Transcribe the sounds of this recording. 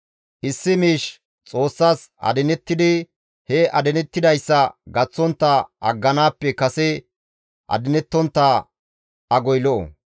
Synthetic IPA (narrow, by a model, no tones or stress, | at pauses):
ʔɪsːɪmiːʃ | t͡sʼo̞ːsːaːsɐ̰d̪ɛnɛt̪ːɪd̪ɪ | hɛʔɐd̪ɛnɛt̪ːɪd̪ɐjsːɐɡɐt͡sːɔnt̪ːɐʔɐ̰ɡːɐnaːpːɛkɐsɛ | ʔɐ̰d̪ɪnɛt̪ːɔnt̪ːa | ʔɐɡɔjlɔʔɔ̰